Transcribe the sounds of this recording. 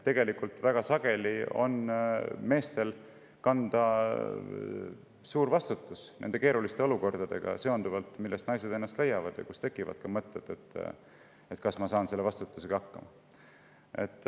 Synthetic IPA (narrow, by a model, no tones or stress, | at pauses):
t̪e̞ɡ̥e̞likult̪ˑvæɡ̥ɑsɑɡ̥e̞lio̞̰nme̞ːst̪e̞l | kɑnd̪̥ɑ | suːɾvɑst̪ut̪ːˑusnend̪e̞keːɾulist̪e̞o̞luko̞rd̪̥ɑd̪̥e̞̰ɡ̥ɑ̰se̞ond̪uvɑlt̪milːest̪nɑjse̞d̪enːɑst̪le̞jːɑvɑd̪̥jɑ̰kust̪e̞kːˑivɑ̰d̪̥̚kɑmɤt̪ˑːet̪et̪ː | e̞t̪kɑsmɑsɑːnse̞lːevɑst̪ut̪ːuseɡ̥ɑɑkːɑ̰mɑ | e̞̰t̪ːˑ